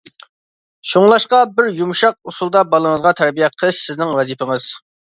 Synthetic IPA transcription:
ʃuŋlˠɑʃqɑbɪɾjumʃɑq̚usulˠd̪ɑbɑlˠəŋəzʁɑt̪ʰæɾbijɛqʰəlˠɨʃsɪznɪŋwɛzipɪŋɨz̥

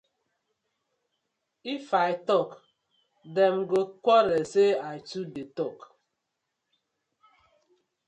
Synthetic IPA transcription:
ifaɪtɔk | dɛm̩ɡokʷɔɾeseaɪtudetɔk

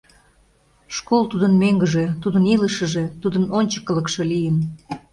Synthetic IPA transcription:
ʃkolˠt̪ud̪ənmeŋɡəʒet̪ud̪əniləʃə̆ʒe̽t̪ud̪ənonʲt͡ɕə̥kːə̆ləkʃelijən

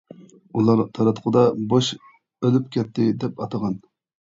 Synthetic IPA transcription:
ulˠɑɾt̪ʰɑɾɑt̪qʰʊd̪ɑboʃ | ølypkʲɛt̪ʰːɪd̪ɛpɑt̪ɑʁɑn

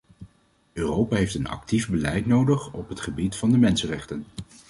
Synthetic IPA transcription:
øːrowpaːɦejftənɑ̰k̚tivbəlɛjtnowdəχɔpɦətχəbitfɑndəmɛnsənrɛχtən

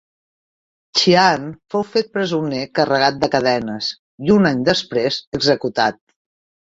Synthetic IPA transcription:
t͡ʃianfowfet̪̚pɾəzunekərəɣat̪̚d̪əkəðɛnəz | iunaɲd̪əspɾezəɡzəkut̪at̪̚

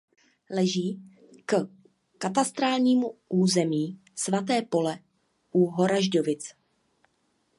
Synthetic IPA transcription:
lɛʒiː | k | kat̪ast̪ɾaːlɲiːmuʔuːzɛmiː | svat̪̬ɛːpo̞lɛ | ʔuɦo̞ɾaʒdo̞vɪt͡s

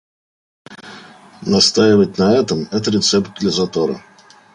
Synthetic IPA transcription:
nɐst̪ajɪvət̚ʲnɐɛt̪əmɛt̪əɾʲɪt̪sɛpt̪̚ɡlʲəzɐt̪oɾə̰

